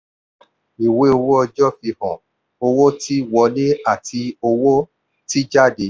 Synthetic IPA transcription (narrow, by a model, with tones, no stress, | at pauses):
i˨we˦o˧wo˦ɔ˧d͡ʒɔ˦fi˧hɔ̃˨ | o˧wo˦ti˦wɔ˧˦le˦a˦˨tʰi˧o˧wo˦ | ti˦d͡ʒa˦˨de˨˦